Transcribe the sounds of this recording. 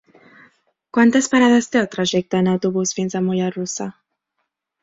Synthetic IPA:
kwant̪əspaɾaðəst̪eəlˠt̪ɾaʒɛk̚t̪əːnəwt̪uβusfinzəmujarusə

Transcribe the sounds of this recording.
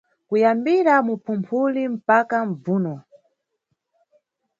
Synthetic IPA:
kujambiɾamupʰumpʰulim̩pakam̩b͡vuːnɔ

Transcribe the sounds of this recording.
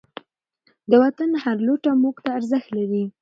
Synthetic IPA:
d̪əwat̪anhaɾloʈamokt̪aːɾzəxt̪laɾi

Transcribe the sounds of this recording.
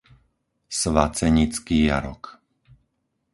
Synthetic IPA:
sʋat͡sɛɲit͡skiːja̰ɾɔ̰k

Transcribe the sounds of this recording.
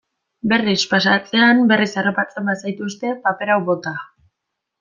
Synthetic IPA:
be̞rispasat͡se̞ambe̞risaropat͡se̞mbasajt̪ust̪e̞pape̞ɾawβo̞t̪a

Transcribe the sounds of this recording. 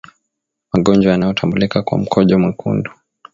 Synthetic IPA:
maɠɔnd͡ʒwajanajɔtʰambulikakwa̰m̩kʰɔʄɔmwɛkʰṵndu̥

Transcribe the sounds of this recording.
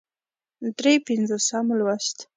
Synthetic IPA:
d̪ɾepɪnzosamlwaʃt̪

